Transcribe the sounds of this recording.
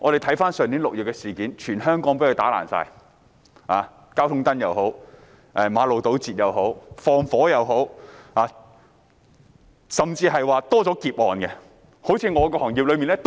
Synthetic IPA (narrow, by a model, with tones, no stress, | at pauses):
ŋɔː˨˧ɾe˨˩t̪ʰɐ˨˥jfaː˥nsœː˨ŋt̪iː˨˥lʊ˨k̚jyː˨t̚kːɛ˧siː˨˩kiː˨˥nt͡ʃʰyː˨˩nhœː˥ŋkɔː˨˥ŋpeː˧˥˨t̪aː˨˥la̰ː˨˩nsa̰ː˧j | aː˨ | kaː˥wt̪ʰʊ˥ŋt̪ɐ˥njɐ˨wɦo˨˥w | ʔɛː˨maː˨˧lo˨wt̪o˨˥wt͡siː˨t̚jɐ˨˧wɦo˨˥wfɔː˧ŋfɔː˨˥jɐ˨˧wɦo˨˥whaː˨˧ | sɐ˨mt͡siː˧hɐ˨jwaː˨˧t̪ɔː˥t͡sɔː˨˥kiː˧p̚ʔɔː˨nkɛ˧ | ho˨˥wt͡sʰiː˧ŋɔː˨˧kɔː˧hɔː˨˩ŋjiː˨p̚lɵ˨˧ɥmiː˨˩nlɛ˥t̪